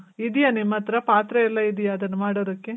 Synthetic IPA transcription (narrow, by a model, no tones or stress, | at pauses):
id̪ijɐnimːɐt̪ɾɐpaːt̪ɾɐɛlːɐid̪ijɐːd̪ɐnːɐmaːɽoːd̪ɐkːe